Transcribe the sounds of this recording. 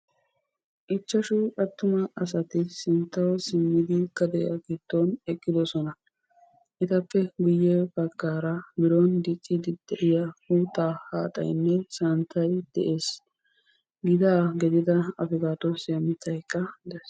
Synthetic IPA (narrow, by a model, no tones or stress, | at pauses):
ʔɪt͡ʃːɐʃʊɐt̪ːʊmɐɐs̬ɐt̪ɪsɪnt̪ːɐwsɪmːɪd̪ɪkːɐd̪ɛjɐ̰ɡɪd̪̥ːɔnɛkʼːɪd̪ɔsɔnɐ | ʔɪt̪ɐpːɛɡʊjːɛbɐɡːaːɾɐbɪɾond̪ɪkʼːɪd̪ɪd̪̥ɛʔɪjɐhuːt̪ːaːhaːt̪ʼɐ̰jnːɛsɐnt̪ʰːɐjd̪̥ɛʔe̞ːs | ɡɪd̪aːɡɛd̪ɪd̪ɐɐfɪɡaːt̪ɔsɪɐmɪt̪ʰːɐjkʼːɐd̪ɛs